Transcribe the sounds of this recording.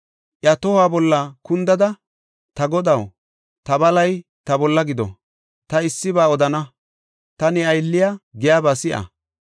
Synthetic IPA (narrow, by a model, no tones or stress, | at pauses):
ʔjɐt̪ɔhaːbɔlːɐkʊnd̪ɐd̪ɐ | t̪ɐɡɔd̪ɐw | t̪ɐbɐlɐjt̪ɐbɔlːɐɡɪd̪ɔ̰ | t̪ɐɪsːɪbaːɔd̪ɐnɐ | t̪ɐnɪɐjlːɪjaɡɪjaːbaːsɪʔɐ̰